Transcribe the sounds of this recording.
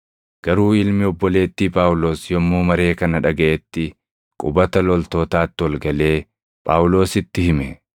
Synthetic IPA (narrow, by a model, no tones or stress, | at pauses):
ɡ̥ɐɾuːɪlmɪɔbːɔle̞ːt̪ːiːpʼaːwʊlo̞ːsjɔmːuːmɐɾe̞ːkɐnɐᶑɐɡɐʔɛt̪ːɪ | kʼʊbɐt̪ɐlɔlt̪o̞ːt̪aːt̪ːɪwɐlɡɐle̞ː | pʼaːwʊlo̞ːsɪt̪ːɪhɪmɛ